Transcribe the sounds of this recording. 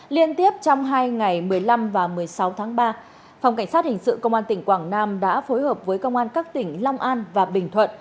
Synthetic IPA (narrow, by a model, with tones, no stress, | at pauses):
li˧ənt̪i˦˥əp̚t͡ɕɔ˧wŋ͡mɦaː˧jŋa˨˩jmɨ˨˩əjla˧mvaː˨˩mɨ˨˩əjsa˨˦wt̪ʰaː˨˦ŋɓaː˧ | fwŋ͡mka˧˩ŋ̟saː˦˥t̚hï˨˩ŋ̟sɨ̰˧˨kə˧wŋ͡mʔaː˧nt̪ï˧˩ŋ̟kwaː˧˩ŋnaː˧mɗa̰ː˧˥fo˨˦jhəː˨˩p̚vəː˨˦jkə˧wŋ͡mʔaː˧nkaː˦˥k̚t̪ï˧˩ŋ̟la˧wŋ͡mʔaː˧nvaː˨˩ɓï˨˩ŋ̟t̪ʰwə̰˧˨n